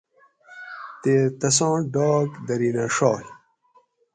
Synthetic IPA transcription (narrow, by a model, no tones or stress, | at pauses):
t̪et̪ɐs̬ãːɖɔːkd̪ɐɾinaʂɔːl